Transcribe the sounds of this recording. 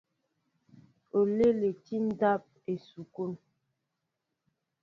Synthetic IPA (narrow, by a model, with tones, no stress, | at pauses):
o˨le˦le˨ti˦n̩˦da˦p̚e˨su˨ko˦n